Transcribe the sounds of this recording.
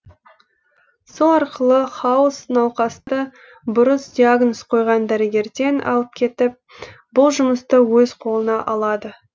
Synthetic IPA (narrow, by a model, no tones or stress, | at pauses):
solˠɑɾqəlˠəχɑwʊsnɑwqɑst̪ə | bʊɾəsd̪ʲiaɡnosqʰo̞jʁɑnd̪æɾɪɡʲe̞ɾd̪e̞nʔɑ̰lˠəp̚kʲʰe̞t̪ɪp̚ | bʊlˠʒʊməst̪əwɵzqʰo̞lˠənɑʔɑlˠɑd̪ə